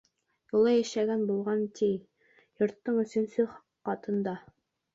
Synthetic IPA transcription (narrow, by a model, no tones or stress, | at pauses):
julˠɑjæʃæɡænbulˠʁɑnt̪ij | jŏɾt̪ːɤɴɵ̆sɵ̆nsɵχ | qːɑt̪ɤ̆nd̪ɑ